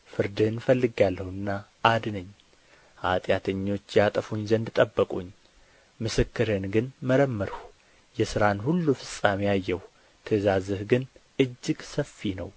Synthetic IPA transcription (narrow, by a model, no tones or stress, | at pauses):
fɨɾd̪ɨhnfəlːɨɡalːəhɨnːa | ʔad̪nəɲː | ʔa̰t̪ʼjat̪ʰəɲːo̞t͡ʃːjat̪ʼəfuɲzənd̪ɨt̪ʼəbːəkʼuɲː | mɨsɨkːɨɾɨnɡɨnməɾəmːəɾ | jɛsɨɾanhulːufɨsʼamiajːɛh | t̪ʰəzazɨhɡɨnʔɨd͡ʒːɨɡsəfːinəw